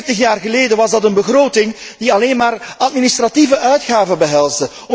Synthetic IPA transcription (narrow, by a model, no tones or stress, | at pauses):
təxjaːrɣəleːjdəʋɑzdɑtənbəɣroːtɪŋd̥iɑleːnmaːrʔɑt̚ministrativəʔœɥtxaːvəbəɦɛlˠzdə | ɔ